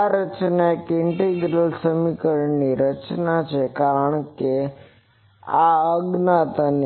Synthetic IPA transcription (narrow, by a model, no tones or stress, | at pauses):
aɾət͡ʃnaekɪɳʈeɡɾəlsəmikəɾniɾət͡ʃnat͡ʃʰekaɾəɳke | aəɡnat̪an